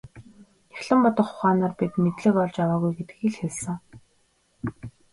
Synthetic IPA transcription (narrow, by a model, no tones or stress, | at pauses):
axɮə̆mpɔt̪ɞ̆χʊχaːnaːrpit̪met̪ɮɘ̆kɔɮt͡ɕawaːɣujɡet̪ɘ̥̆kxiɮxesɘ̆ŋ